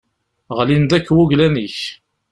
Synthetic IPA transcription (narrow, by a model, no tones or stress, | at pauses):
ʁlind̪ækːwʊʝlæniç